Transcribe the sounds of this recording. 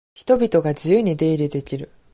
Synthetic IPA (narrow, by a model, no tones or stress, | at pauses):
çi̥t̪o̞bʲit̪o̞ɡad͡ʑɨjɯːɲ̟id̪e̞ːɾʲid̪e̞kʲiɾɯ̟